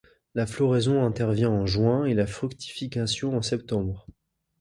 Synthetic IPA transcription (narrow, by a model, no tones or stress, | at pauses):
laflɔʁɛzɔ̃ɛ̃t̪ɛʁvjɛ̃ɑ̃ʒwɛ̃elafχykt̪ʰi̥fikʲasjɔ̃ɑ̃sɛp̚t̪ɑ̃bʁ